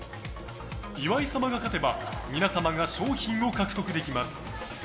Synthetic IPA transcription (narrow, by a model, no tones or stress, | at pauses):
iβaisamaɡakat̪e̞bamʲinasamaɡaɕoːçĩɰ̃o̞kakɯ̥t̪o̞kɯ̟d̪e̞kʲimasɨ̥